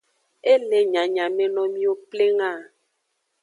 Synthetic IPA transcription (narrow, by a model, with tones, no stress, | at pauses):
e˦le˨ɲã˨ɲã˨mẽ˨nɔ̃˨mĩ˦o˦ple˦ŋã˦˨